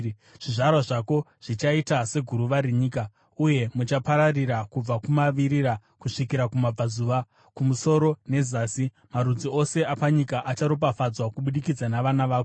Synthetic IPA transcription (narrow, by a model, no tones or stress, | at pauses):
ʐ̥iʐarwaʐako̞ | ʐ̥it͡ʃaitase̞ɡʱuɾuʋaɾeɲiːka | uje̞mut͡ʃapaɾariɾakub͡vakumaʋiɾiɾakuʂikiɾakumab͡vazuːʋa | kumuso̞ɾo̞ne̞zaːsi | maɾud͡zio̞se̞ʔapaɲikaʔat͡ʃaɾop̬afad͡zwakuɓuɗikid͡zanaʋanaʋaːko